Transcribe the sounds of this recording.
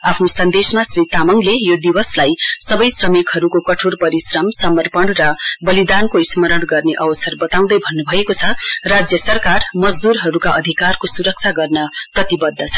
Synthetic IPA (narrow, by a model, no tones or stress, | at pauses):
apʰnosʌnd̪esmasrit̪amʌŋlejod̪iwʌslajsʌbʌjsrʌmikɦʌɾukokʌʈʰorpʌɾisrʌmsʌmʌrpʌɳrʌbʌlid̪ankoismʌɾʌɽɡʌrneʔʌwʌsʌrbʌt̪aw̃d̪ʌjbʱʌnːubʱʌekot͡sʰʌrad͡zjʌsʌrkarmʌd͡zd̪uɾɦʌɾukaʔʌd̪ʱikarkosuɾʌk̚t͡sʰaɡʌrnʌprʌt̪ibʌd̪ʱːʌt͡sʰʌ̥